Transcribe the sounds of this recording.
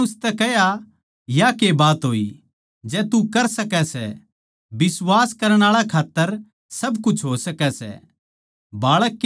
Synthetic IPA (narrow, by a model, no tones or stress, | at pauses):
ʊst̪ɛkɛɦja | jakebaːt̪ɦoːḭ | d͡ʒɛːt̪ukɐɾsɐkɛsɛ̰ | bɪswaːskɐɾəɽ̃aːɭakʰaːt̪ːəɾ | sɐbkʊt͡ʃʰɦosɐkɛsɛ̰ | baːɭəkː